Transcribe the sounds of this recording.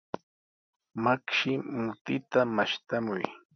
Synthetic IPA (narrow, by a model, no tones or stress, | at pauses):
makʃɪmʊt̪ɪt̪amaʃt̪amʊj